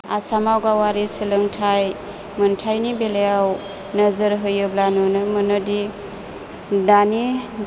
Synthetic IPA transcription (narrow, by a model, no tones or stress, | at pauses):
asamawɡawaɾisɯlɯŋtʰaj | mɯntʰajnibelejaw | nəzɯɾɦɯjɯblanunɯmɯnɔdi | dani